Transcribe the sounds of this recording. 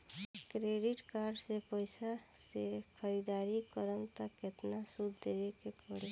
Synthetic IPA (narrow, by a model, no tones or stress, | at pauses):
kɾeɖɪʈkaɾɖsepəɪsasekʰəɾid̪aːɾikəɾənt̪əket̪nasud̪ʱːeʋekekɔɽe